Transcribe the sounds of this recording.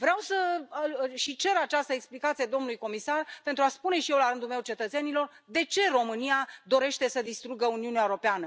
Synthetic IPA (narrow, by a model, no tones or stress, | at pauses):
vɾeawsə | ʃit͡ʃe̞ɾat͡ʃast̪əeksplikat̪sied̪o̞mnulujko̞misarpe̞nt̪ɾuaspune̞ʃijewlaɾɨnd̪ulmewt͡ʃe̞t̪ət̪se̞nilo̞r | d̪e̞t͡ʃe̞ro̞mɨnijad̪o̞ɾe̞ʃt̪e̞səd̪ist̪ɾuɡəuniuneaewɾo̞peanə